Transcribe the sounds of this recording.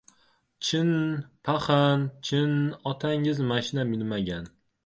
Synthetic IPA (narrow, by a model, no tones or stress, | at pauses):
t͡ʃʰɪnpʰaχant͡ʃʰɪnɒt̪ʰaŋɪzmaʃɪnamɪlmaɡʲan